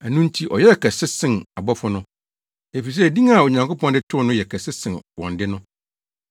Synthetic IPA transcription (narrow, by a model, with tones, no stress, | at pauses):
æ˨nũ˦n̩˦tʰi˦ʔɔ˨jɛ˦ɛ˨kʰɛ˨sɪ˦sɪ̃˨na˨bɔ˦fʊ˦nʊ̃˦ | e˨fi˨s̬ɛ˦˨dĩ˦ŋa˨o˨ɲã˨ŋko˦pɔ̃˦ndɪ˦tʰʊ˦nʊ̃˦jɛ˨kʰæ˨sɪ˦sɪ̃˨nwɔ̰̃˨ndɪ˦nʊ̃˦